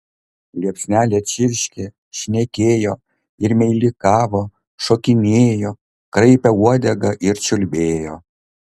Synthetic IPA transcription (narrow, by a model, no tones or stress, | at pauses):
lʲiɛpʲsʲnʲæːlʲet͡ʃʲɪɾʲʃʲkʲe | ʃʲnʲekʲeːjo | ɪɾmʲɛɪlʲɪkɑːʋoː | ʃoːkʲɪnʲeːjo | kɾɐɪpʲɛuɔd̪ʲɛɡɐʔɪɾt͡ʃʲʊlʲbʲeːjoː